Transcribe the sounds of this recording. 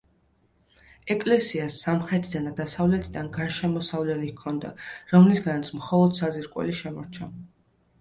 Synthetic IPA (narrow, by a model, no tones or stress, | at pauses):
ɛkʼlɛsiasːamχɾɛt̪ʰid̪anad̪asavlɛt̪ʰid̪anɡaɾʃɛmɔsavlɛlikʰɔnd̪a̰ɾɔmlisɡanat̪sʰmχɔlˠɔd̪saziɾkʼwɛ̰liʃɛmɔɾt͡ʃʰa